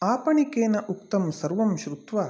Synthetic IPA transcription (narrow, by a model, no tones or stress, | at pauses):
aːpɐɳikeːnɐʔukt̪ɐmsɐɾʋɐmʃɾut̪ʋaː